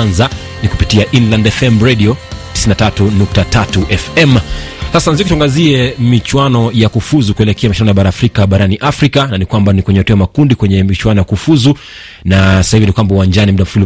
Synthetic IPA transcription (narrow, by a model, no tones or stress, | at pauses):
anza | niku̥pitiaʔinlandɛfɛmɾɛɗiɔti̥sinatatunuk̚tatatuʔɛfɛmsasanazikutuaŋɡaziɛmit͡ʃwanɔjakufuzukuɛlɛkɛamaʃinanɔjaɓaɾaːfɾikaɓaɾaniʔafɾikananikwambanikwɛɲɛhtuajamakundikwɛɲɛmit͡ʃwanɔjakufuzu | nasasahivinikwambauwand͡ʒanim̩ɗam̩fulu